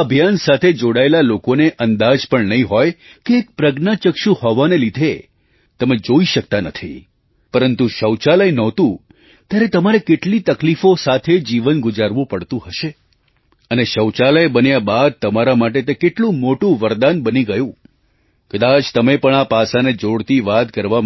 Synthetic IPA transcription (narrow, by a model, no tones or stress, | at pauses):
əbʱjansat̪ʰed͡ʒoɽaelalokoneʔənd̪ad͡ʒpəɳnəɦĩɦɔjkeːk̚pɾəɡnat͡ʃəkʃũhɔʋanelid̪ʱe | t̪əmed͡ʒoiʃək̚t̪anət̪ʰḭ | pəɾənt̪uʃəwt͡ʃaləjnɔt̪ũ | t̪jaɾet̪əmaɾekeʈlit̪əklifosat̪ʰed͡ʒiʋənɡʊd͡ʒaɾʋũpəɽt̪ũɦəʃe | əneʃəwt͡ʃaləjbənjabad̪̚t̪əmaɾamaʈet̪ekeʈlũmoʈũʋəɾd̪anbəniɡəjũ | kəd̪at͡ʃt̪əmepəɳapasaned͡ʒoɽt̪iʋat̪kəɾʋam